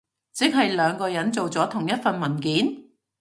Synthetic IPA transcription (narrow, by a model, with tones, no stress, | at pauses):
t͡sɪ˨˥k̚ɦɐ˨jlœː˨˧ŋkɔː˧jɐ˨˥nt͡so˨wt͡sɔː˨˥t̪ʰʊ˨˩ŋjɐ˥t̚fɐ˨nmɐ˨˩nkiː˨˥n